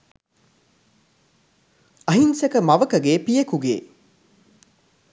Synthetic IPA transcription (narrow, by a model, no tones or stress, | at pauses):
ɐɦinsekəmɐʋəkəɡeːpijekuɡḛː